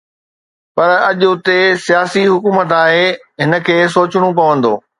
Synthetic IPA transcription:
pɐɾɐʄʊt̪esijaːsiɦʊkuːmət̪aːɦe | ɦɪnə̆kʰeːs̬oːt͡ɕɪɽ̃up̬ɐʋə̃nd̪oː

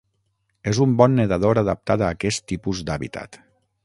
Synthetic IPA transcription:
ezumbɔnːeðaðoɾaðəp̚t̪at̪aːkɛst̪ːipuzd̪aβḭt̪ʰa̰t̪

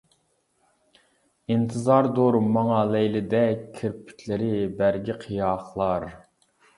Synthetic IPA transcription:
int̪ʰɨzɑɾd̪oɾmːɑŋɑlɛjlɪd̪ɛkʲʰːeɾpʰy̥kʲʰlɪɾɪbæɾɡʲiqʰijɑχlˠɑɾ

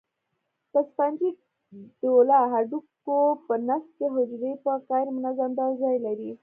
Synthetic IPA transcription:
t̪aspand͡ʒi | ɖolaɦaɖukopənas̚keɦʊd͡ʒɾejpakajɾmʊnazamd̪aɾzajlaɾi

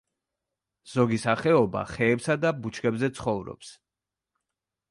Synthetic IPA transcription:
z̥ɔɡisaχɛɔba̰χɛːpsad̪abut͡ʃʰkɛbzɛt̪sʰχɔvɾɔ̰ps

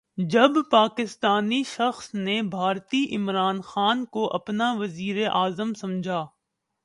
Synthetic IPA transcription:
d͡ʒɐbpaːkɪst̪aːniʃɐxsnebʱaːɾt̪iʔɪmɾaːnxaːnkoʔɐpnaʋɐziːɾeʔaːzəmsɐ̃md͡ʒʱaː

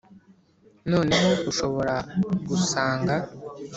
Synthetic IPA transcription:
no̞ːne̞ɦo̞ʔuʃo̞βo̞ɾaɡusaːŋɡa

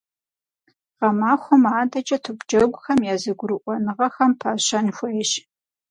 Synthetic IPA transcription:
ʁɐmaːxʷɔmaːdɐt͡ʃʼɐtʰɨkʷʼd͡ʒɐɡʷʊxɐmjaːzɨɡʷʊɾɨʔʷɔnɨʁɐxɐmpʰaːɕɐnxʷeɛʃ

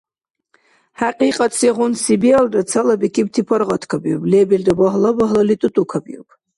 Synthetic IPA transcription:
ħaqʲʼiqʼat͡sʰiʁʊnsibialdat͡sʰalabikʰʲʼib̚tʰipʰarʁatʰkʰabjopʼlebeldabaɦlabaɦlalitʼɨtʼukʰabʼjo̰pʼ

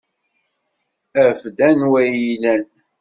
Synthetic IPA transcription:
æfd̪ænwæjilæn

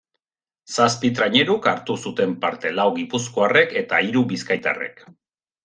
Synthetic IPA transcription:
saspit̪ɾaɲe̞ɾukaɾt̪usut̪e̞mpaɾt̪e̞lawɣipusko̞are̞ke̞t̪aiɾubiskajt̪a̰re̞̰k

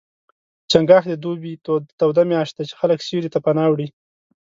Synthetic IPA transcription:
t͡ʃaŋɡɑxd̪əd̪obit̪awd̪amjɑʃt̪̚d̪at͡ʃe̥xaləksiɾit̪apanɑwɽi

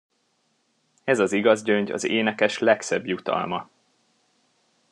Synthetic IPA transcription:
ɛzɒziɡɒzɟøɲɟɒ̰zeːnɛkɛʃlɛksɛbjut̪ɒ̰lmɒ

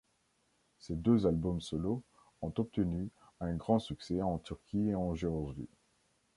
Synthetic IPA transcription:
sed̪øzalbɔmsɔlo | ɔ̃t̪ɔp̚t̪əny | ɛ̃ɡʁɑ̃syksɛɑ̃t̪yʁkʲieɑ̃ʒeʁɔzwḭ

